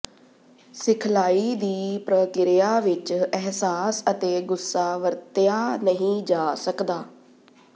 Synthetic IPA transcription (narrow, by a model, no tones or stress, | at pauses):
sɪkʰlaːiːd̪iːpɾəkɪɾɪjaːʋɪt͡ʃɛɦsaːsət̪eːɡʊsːaːʋəɾt̪ɪjaːnəɦĩːd͡ʒaːsəkd̪aː